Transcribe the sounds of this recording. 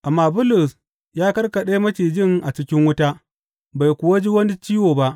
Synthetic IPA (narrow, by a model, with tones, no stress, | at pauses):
ʔa˨mːaː˦bʊ˦lʊ˨s | jaː˦kɐ˦rkɐ˨ɗeː˦mɐ˦ʃiː˨d͡ʒɪ˦˨ŋʔa˨t͡ʃɪ˦kʲɪ˦ŋwʊ˦ta˦ | ba˨jkʷʊ˨wa˦d͡ʒi˦wɐ˦ni˦t͡ʃiː˦woː˨ba˦ʔ